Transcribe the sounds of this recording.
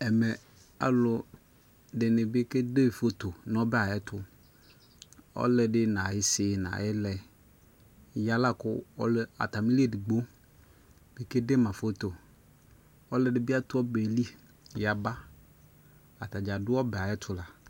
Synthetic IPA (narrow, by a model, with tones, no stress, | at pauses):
ɛ˨mɛ˨ | a̰˨lʊ˨ | dɪ˨nɪ˨bɪ˦ke˦de˦˨fo˦t̪o˨n˨ɔ˦bɛ˦a˨jɛ˦t̪ʰʊ˦ | ɔ̰˦lɛ˨ɖɪ˦nã˨jɪ˨sɪ˨nã̰˨ɛ˦lɛ˨ | ja˦la˦kʊ̰˦ɔ̰˦lɛ˦a̰˨t̪a˨mi˦li˦e˦˨dɪ˨ɡ͡bo˦ | b̥ɪ˦ke˦de˦mã˨fo˦t̪o˨ | ɔ˦lɛ˨dɪ˦bɪ˦a˦t̪ʊ˦ɔ˦be˨li˦ | ja˨ba˦ | a˨t̪a˨d͡ʒa˨dʊ˦ɔ˦bɛ˨a˨ɛ˦t̪ʰʊ˨la˨